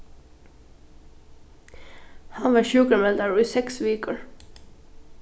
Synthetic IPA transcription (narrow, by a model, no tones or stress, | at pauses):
hɑnʋɑːʃʉːkəmɛld̪ɑɹːiːsɛksʋiːkəɹ